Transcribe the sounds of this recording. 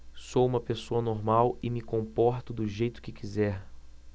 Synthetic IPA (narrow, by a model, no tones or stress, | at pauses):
soũmɐpesoɐnoɾmawɪmɪkõmpɔɾt̪ʊd̪ʊʒejt̪ʊ̥kɪkizɛɾ